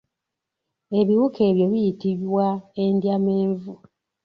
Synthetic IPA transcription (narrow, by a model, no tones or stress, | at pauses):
e̞βiwukʰe̞ːβjo̞βijitiβwaendjame̞ːɱvu